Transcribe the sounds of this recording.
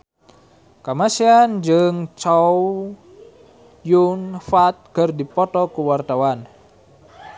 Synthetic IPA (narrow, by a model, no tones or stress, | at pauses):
kamasiand͡ʒɨŋt͡ʃau | junfat̪̚kərdipɔt̪ɔkuwart̪awan